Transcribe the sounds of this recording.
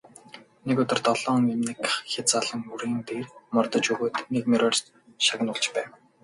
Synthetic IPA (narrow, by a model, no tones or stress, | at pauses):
nekʊt̪ɪ̆rt̪ɔɮ̥ɔːŋemnĭkxʲet͡saɮə̆ŋuɾiːnt̪eːrmɔrt̪ə̆t͡ɕɵɣoːt̪nekmiɾɔr | ʃaɣʲɪ̆nʊɮt͡ɕpæːw